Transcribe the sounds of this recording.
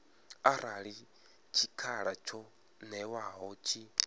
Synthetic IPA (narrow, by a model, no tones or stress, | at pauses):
aɾaɺi | t͡ʃʰikʰaɺat͡ʃʰɔ | nɛwaɦɔt͡ʃʰi